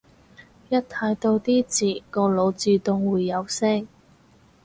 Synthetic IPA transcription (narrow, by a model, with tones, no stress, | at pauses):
jɐ˥tt̪ʰaː˨˧˥jt̪o˧wt̪iː˥t͡siː˨˩kɔː˧lo˨˧wt͡syː˧t̪ʊ˧ŋwuː˨jːɐ˨˧wsɛ˥ŋ